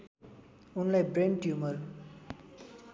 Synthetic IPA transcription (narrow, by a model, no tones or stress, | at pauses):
unlajbreɳɖjumʌr